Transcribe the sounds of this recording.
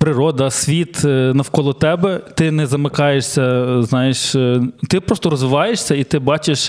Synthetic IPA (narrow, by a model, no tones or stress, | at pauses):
pɾɪɾɔd̪ɐsʲʋʲit̪nɐwkɔlˠɔt̪ɛbɛt̪ɪnɛzɐmɪkɑjeʃsʲɐznɑjeʃt̪ɪpɾɔst̪ɔɾɔzʋɪʋɑjeʃsʲɐit̪ɪbɑt͡ʃɪʃ